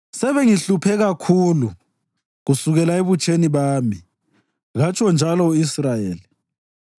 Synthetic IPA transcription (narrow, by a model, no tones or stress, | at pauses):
sɛβeŋiɬupʰɛɣakʰuːlu | ɣusuɣɛlaeβut͡ʃʰʼeniβaːmi | ɣat͡ʃʰʼɔnd͡ʒʱalɔuisrajeːli